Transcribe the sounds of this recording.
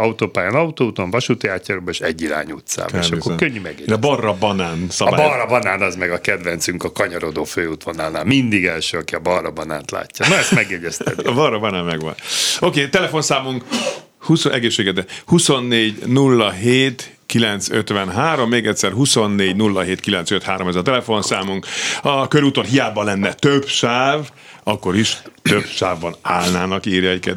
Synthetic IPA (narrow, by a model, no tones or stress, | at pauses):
ɒut̪oːpaːjanɒut̪oːut̪oɱvɒʃut̪ojaːcːaːɾoːbɒeʃɛɟːiɾa̰ːɲṵt̪sa̰ːbḛʃɒkːokøɲːymɛɡjɛ̰ɟbɒrːɒbɒnaːnsɒɒbabɒrːɒbɒnaːnɒzmɛɡɒkɛd̪ʋɛnt̪syŋkɒkɒɲɒɾo̞d̪oːføːut̪ʋonaːlnaːlmind̪iɡɛlʃøːɒkiɒbɒrːɒbɒna̰ːnt̪la̰ːcːɒnoɛst̪mɛɡjɛɟɛst̪ɛ̰d̪iɒbɒrːɒbɒnaːnmɛɡʋɒ̰no̞keːt̪ɛlɛfo̞nsaːmuŋk | husoʔɛɡeːʃːeːɡɛd̪ɛhuso̞nːeːɟnulːɒɦeːt̪ | kilɛnt̪søt̪ʋɛnɦaːɾo̞mːeːɡɛtʲsɛrɦuso̞nːeːɟnulːɒɦeːt̪kilɛnt̪søt̪haːɾo̞mɛzɒt̪ɛlɛfo̞nsaːmuŋkɒkøɾut̪onɦijaːbːɒlɛnːɛt̪øbʃaːv | ɒkːo̞ɾiʃt̪øb̥ʃaːvbɒnaːlnaːnɒkiːɾjɒɛckɛ̰t̪